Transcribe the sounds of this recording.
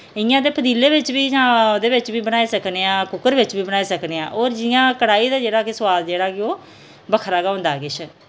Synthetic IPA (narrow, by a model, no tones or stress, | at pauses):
ɪjãːd̪eːpʰəd̪iːleːʋɪt͡ʃʋiːaːd̪eːʋɪt͡ʃbiːbənaːiːsəkneːãːkʊkəɾʋɪt͡ʃbiːbənaːiːsəkneːãːʔoːɾd͡ʒɪjãːkəɽaːiːd̪aːd͡ʒeːɽaːkɪsʊʋaːd̪d͡ʒeːɽaːkɪoː | bəkʰɾaːɡaɦõnd̪aːkɪt͡ʃʰ